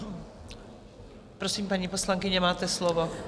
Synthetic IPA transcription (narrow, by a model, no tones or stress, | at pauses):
pɾosiːmpaɲiːposlaŋkɪɲɛmaːt̪ɛslovo